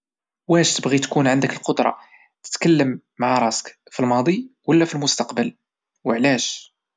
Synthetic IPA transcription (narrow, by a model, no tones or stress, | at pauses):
wæʃt̪əbɣit̪kunʕənd̪əkəlqod̪ɾˤɑ̰ | t̪ə̥t̪kəlːəmːaʕɾˤɑsə̥kfilmɑd̪ˤiwəlːæfilmʊst̪ɑqbəl | wəʕlæʃ